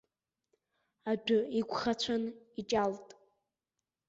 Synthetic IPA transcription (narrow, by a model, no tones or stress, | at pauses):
adʷᶣʊikʷʰʼχat͡ɕʷʰanit͡ʃʼaltʼ